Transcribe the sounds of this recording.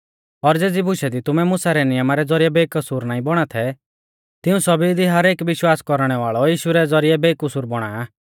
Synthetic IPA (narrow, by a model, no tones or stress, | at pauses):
ɔɾd͡zeːd͡zibʱʊʃɛd̪it̪ʊmɛmʊsaɾɛnɪjəmaɾɛd͡zɔɾijɛbeːkɐsuːɾnaːĩbɔɽ̃at̪ʰɛ | t̪ɪũsɔbid̪iɦɐɾeːkʋɪʃwaːskɔɾɽ̃ɛʋaːɭɔjiːʃuɾɛd͡zɔɾijɛbeːkʊsuːɾbɔɽ̃a̰ːja